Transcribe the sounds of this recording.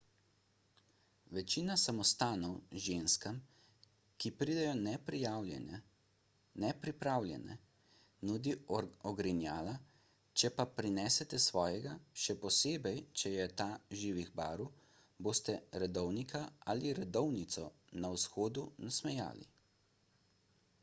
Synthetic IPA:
ʋɛt͡ʃiːnasamɔst̪aːnɔwʒenskam | kipɾiːd̪ɛjɔnɛpjawɛn | nɛpɾipɾaːwlʲjɛ̰nɛ̰ | nud̪iɔɡɾinjaːla | t͡ʃɛpapɾinɛːsɛt̪ɛsʋɔːjɛɡaʃɛpɔseːbɛjt͡ʃɛjɛt̪aːʒiːʋiɣba̰ːɾu | boːst̪ɛɾɛd̪ɔwnikʰaaliɾɛd̪ɔwnit̪sɔnawsxoːd̪unasmɛja̰ːlḭ

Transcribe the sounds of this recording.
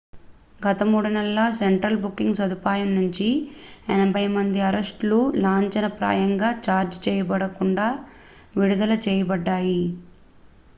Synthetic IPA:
ɡɐt̪ɐmuːɽunɛlːɐseɳʈɾɐlbukːiŋɡsɐd̪upaːjɐmnuɲt͡ʃiɛnɐbʱɐjmɐnd̪iɐɾɐsʈlulaːɲt͡ʃɐnɐpɾa̰ːjɐŋɡaːt͡ʃaːɾd͡ʒt͡ʃɛːjɐbɐɽɐkuɳɖaː | ʋiɽud̪ɐlɐt͡ʃɛːjɐbɐɖːaːji

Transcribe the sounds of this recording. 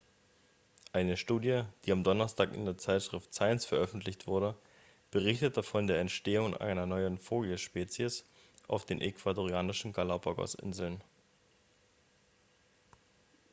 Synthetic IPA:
ʔaɪnəʃtuːdjəd̥iːamdɔnɐstʰaːkɪ̰ndeːɐt͡saɪtʃʁ̥ɪftsaɪnsfɛɐʔœfn̩tʰlɪçtv̥ʊɐɾə | b̥əʁ̞ɪçtət̚d̥afɔndeːɐɛntʃteːʊŋʔa̰ɪnɐnɔʏənfoːljəʃpeːt͡sjəs | ʔa̰ʊfd̥eːnʔɛkʰv̥adoʁiaːnɪʃn̩ɡalapɐɡɔ̰sʔɪ̰nzl̩n

